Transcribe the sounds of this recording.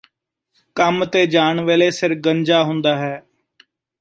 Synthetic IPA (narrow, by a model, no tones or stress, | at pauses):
kəmt̪eːd͡ʒaːɳʋeːleːsɪɾɡəɲd͡ʒaːɦʊ̃nd̪aːɦɛː